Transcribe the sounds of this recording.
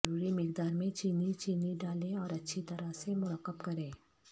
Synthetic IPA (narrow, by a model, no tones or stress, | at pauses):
ɾuːɾimɪq̚d̪aːɾmẽt͡ʃiːnit͡ʃiːniɖaːlẽɔːɾɐtːʃʰit̪ɐɾasemʊɾəqːəbkɐɾẽː